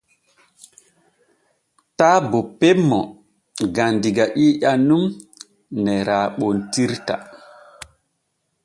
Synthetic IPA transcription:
taːbɔpɛmːɔ | ɡandiɡaʔiːʔanːum | nɛɾaːɓɔntiɾta̰

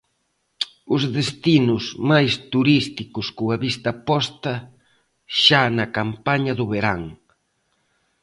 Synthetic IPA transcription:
ʊzðest̪inʊzmajst̪uɾist̪ikʊskuɐβist̪ɐpɔst̪ɐ | ʃanɐkampaɲɐðʊβeɾaŋ

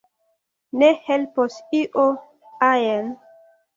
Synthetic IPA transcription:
nehelposiʔo | ajen

